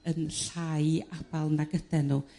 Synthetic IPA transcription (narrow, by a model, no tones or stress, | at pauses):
ənɬajab̥alˠnaɡəd̥ɛnu